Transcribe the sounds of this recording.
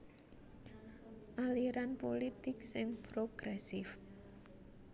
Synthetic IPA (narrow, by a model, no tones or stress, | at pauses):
ʔaliɾanpolit̪ɪk̚sɪŋpɾoɡ̥ɾɛsɪf